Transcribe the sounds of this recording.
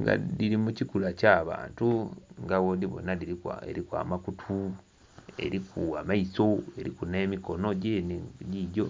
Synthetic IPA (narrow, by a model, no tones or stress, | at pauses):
ŋɡa̰diɾimucikulacaːβa̰ːntuŋɡawodiβo̰nadiiḛɾikwa̰makutʰu | e̞̰ɾikuamaiso̞eɾḭkune̞ːmiko̞noɟeniɟiɟo